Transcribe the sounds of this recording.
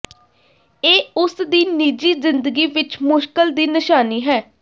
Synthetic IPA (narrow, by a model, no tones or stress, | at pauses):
eːʊsd̪iːniːd͡ʒiːzɪnd̪əɡiːʋɪt͡ʃmʊʃkəld̪iːnɪʃaːniːɦɛː